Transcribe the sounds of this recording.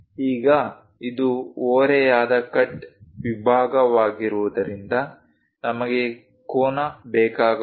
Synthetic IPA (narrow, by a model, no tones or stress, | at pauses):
iːɡɐ | id̪uoːɾɛjaːd̪ɐkɐʈʋibʱaːɡɐʋaːɡiɾuʋud̪ɐɾind̪ɐ | nɐmɐɡe̞ | koːnɐbɛːkaːɡ